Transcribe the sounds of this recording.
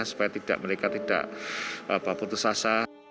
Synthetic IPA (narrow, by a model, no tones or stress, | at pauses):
asu̥pajat̪id̥a̰ʔməɾekat̪id̥a̰ʔʔabaput̪usasa